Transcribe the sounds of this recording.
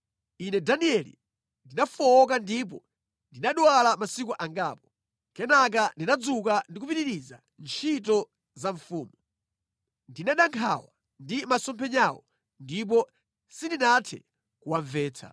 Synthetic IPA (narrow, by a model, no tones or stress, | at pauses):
inɛdaniɛlḭ | ndinafɔːk̬andip̬ɔ | ndinaɗwwalamasikuʔaŋɡaːpɔ̥ | kɛnak̬andinad͡zukandik̬upiɾiɾiza̰ | nt͡ʃʰit̬ɔ | zaɱfuːmu | ndinaɗaŋkʰa̰wa | ndimasɔmpʰɛɲawɔ | ndip̬ɔ | sindinatʰɛ̰ | kuwaɱvɛːtʰa̰